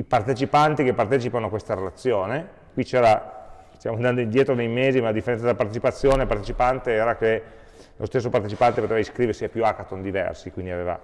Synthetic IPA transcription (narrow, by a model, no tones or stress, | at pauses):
ipart̪et͡ʃipant̪ikepːart̪ɛːt͡ʃipanoakːwest̪aɾelat̪sːjoːne | kwit͡ʃɛːɾa | st̪jaːmoand̪and̪oind̪jɛːt̪ɾonejmeːzimalad̪ifːeɾɛnsad̪elːapart̪et͡ʃipat̪sːjoːnepart̪et͡ʃipant̪eɛːɾake | lʔost̪esːopart̪et͡ʃipant̪epot̪evaiskɾiveɾrsiapjuakat̪ond̪ivɛ̰rsikwind̪iaveva̰